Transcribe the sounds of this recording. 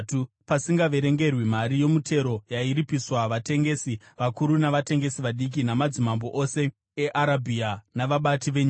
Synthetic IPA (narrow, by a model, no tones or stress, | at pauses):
tu | pasiŋɡaʋe̞ɾe̞ŋɡe̞rwimaɾijo̞mute̞ɾo̞jaiɾipiswaʋate̞ŋɡe̞si | ʋakuɾunaʋate̞ŋɡe̞siʋaɗik̬inamad͡zimambo̞ʔose̞ | eʔaɾabʱianaʋaɓatiʋeɲ